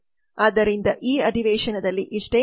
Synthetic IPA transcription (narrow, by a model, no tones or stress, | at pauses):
aːd̪ːɐɾind̪ɐʔiːɐɖiʋeːʃɐnɐd̪ɐlːiʔiʂʈeː